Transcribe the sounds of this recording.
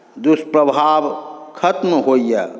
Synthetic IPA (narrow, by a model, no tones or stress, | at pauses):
d̪uspɾəbʱabkʰət̪mɦoija